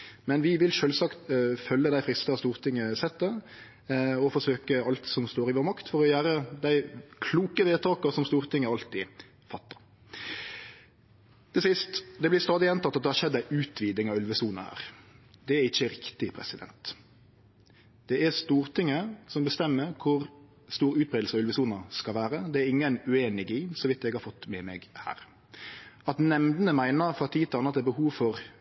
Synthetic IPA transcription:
mɛnʋɪʋɪlʃøːlsɑkt̪fœlːəd̪æɪfɾɪst̪ɑst̪uːɾt̪ʰɪŋːəsɛt̪ːə | ɔfɔsøːkəɑlt̪sɔmst̪oːɾɪʋoːɾmɑkt̪fɔɾɔjæːɾəd̪æɪkʰluːkəʋeːt̪ʰɑːkɑsɔmst̪uːɾt̪ɪŋːəɑlt̪ɪ | fɑt̪ːɑ̥ | t̪ʰɪsɪst̪d̪ɛblɪɾst̪ɑːd̪ɪɛnt̪ɑt̪ːɑt̪d̪ɛhɑɾʃɛd̪ːæɪʔʉːt̪ʰʋiːd̪nɪŋɑʋʉlʋəsuːnəhæ̰ːɾd̪ɛæɾɪçəɾɪkt̪ɪpʰɾɛ̰sɪd̪ɛ̰nt̪ | d̪̥ɛæst̪uːɾt̪ʰɪŋːəsɔmbəst̪ɛmːəɾkʰʊɾ | st̪uːɾʉːt̪̚bʁeːd̪l̩səɑʉlʋəsuːnɑskɑlʋæːɾəd̪ɛæɾɪŋːənʉeːnɪɡiːsɔʋɪt̪ːɛɡhɑɾfɔt̪ːmɛmɛɡhæ̰ːɾ | ɑt̪nɛmd̪nəmæɪnəfɑt̪ʰiːt̪ʰɑnəɑt̪d̪ɛbəhuːʋfɔɾ

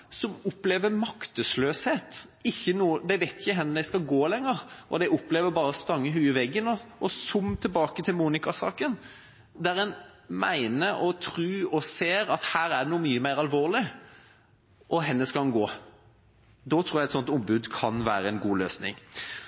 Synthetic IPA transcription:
sɔmʊpleːʋəmɑkt̪əsløːsheːt̪ɪçːənuːəd̪æɪʋæɪt̪ɪçəɦɛnːəd̪æɪskɑlɡoːlɛŋːəɾʔɔd̪ɛɪʔʊpleːʋəbɑːɾəst̪ɑŋːəɦʉːɪʋɛɡːənɔʔɔsʊmt̪ʰɪbɑːkət̪ʰɪlmuːnɪkɑsɑːkən | d̪æɾɛnmæ̰ɪnəʔɔt̪ʰɾʉːɔseːɾɑt̪hæːɾæɖ̪ɛnuːmyːəmæɪʁɑlʋoːʁlɪ | ʔɔɦɛnːəskɑnɡoː | d̪ɔːt̪ʰɾuːɾjæɪɛt̪sɔnt̪ʊmbʉd̪kʰɑnʋæːɾəɛnɡuːløːsnɪ̰ŋ

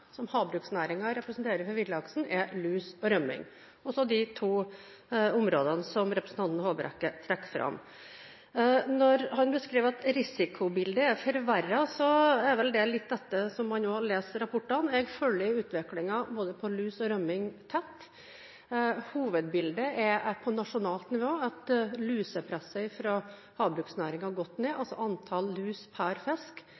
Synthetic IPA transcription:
sɔmhɑːbɾʉːksnæːɾɪŋɑɾɛpɾəsnt̪ʰeːɾəɾfɔɾʋɪd̪əɑksn̩ɛlʉːsɔɾœmːɪ̰ŋ | ɔsɔd̪ɪt̪ʰuː | ʊmɾoːd̪ənəsɔmɾɛpɾəsn̩t̪ɑnt̪nhoːbəɾʔɛ̰kːət̪ʰɾɛkːfɾʔɑ̰m | nɔɾhɑnbəskɾiːʋɑt̪ɾɪsɪkʰʊbɪld̪əɛfɔɾʋæɾɑsɔɛɾʋɛld̪ɛlɪt̪̚ːd̪ɛt̪ːəsɔmhɑnoːɑleːsɾɑpʰʊʈːɑnɛɡfœlːɪʉːt̪ʰʋɪklɪŋɑboːd̪əpʰɔlʉːsɔɾœmːɪŋt̪ʰɛt̪ː | huːʋəd̪bɪld̪əʔɛpʰɔnɑʂʊnɑːlt̪nɪʋoːɑt̪lʉːsəpʰɾɛsːəɪfɾɑ | hɑːbɾʉːksnæːɾɪŋɑɾɡɔt̪ːneːʔɑlsɔʔɑnt̪ʰɑllʉːspʰæːɾfɛsk

